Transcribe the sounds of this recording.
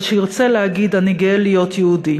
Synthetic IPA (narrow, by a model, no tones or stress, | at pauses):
ʃeiʁt͡selehaɡid̪aniɡeelijo̞t̪jɛudi